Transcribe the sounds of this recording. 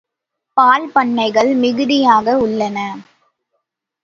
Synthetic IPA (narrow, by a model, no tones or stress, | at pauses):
paːlpɐɳːɐɪɣɐɭmɪɣɯðɪjaːɣɐʊɭːɐnɐ